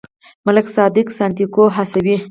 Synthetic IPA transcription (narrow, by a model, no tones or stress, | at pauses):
mʊlɪksɑd̪ɪksant̪ikoɦasawi